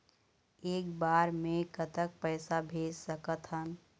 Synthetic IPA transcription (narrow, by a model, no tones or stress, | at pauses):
eːkbaːɾmẽkət̪ək̚pəɪsabʱeːd͡ʒsəkət̪ɦən